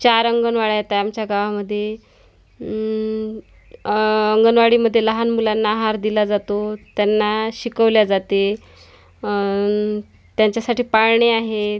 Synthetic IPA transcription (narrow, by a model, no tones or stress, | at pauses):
t͡ɕaɾəŋɡənʋaɭajet̪ajamt͡ɕjaɡaʋaməd̪ʱːje | əŋɡənʋaɽiːməd̪ʱːjeləɦanmulanːaɦaɾd̪ilad͡zat̪ot̪janːaɕikəʋljad͡zat̪e | t̪jaɲt͡ɕjasaʈiːpaɭɳeaɦe